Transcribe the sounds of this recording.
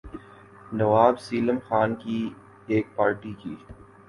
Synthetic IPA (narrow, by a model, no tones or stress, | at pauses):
nɐʋaːbsiːləmxaːnki | eːk̚paːɾʈikiː